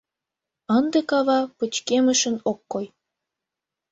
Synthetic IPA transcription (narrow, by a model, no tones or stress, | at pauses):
ənd̪ekɑβɑpət͡ɕkeməʃənokːoj